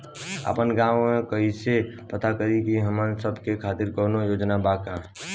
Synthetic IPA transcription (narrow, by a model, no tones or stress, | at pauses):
ə̰pənɡaːwmẽkəise | pət̪akəɾikiɦəmə̃səbkekʰaːt̪ɪɾkɔːnojoːd͡ʒnabaːkãː